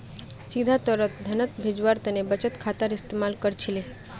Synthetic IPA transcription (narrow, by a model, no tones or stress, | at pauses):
sid̪ʱat̪əɾət̪̚d̪ʱənət̪bʱed͡ʒʋaɾt̪ənebət͡ʃət̪kʰat̪əɾist̪emalkəɾt͡ʃʰile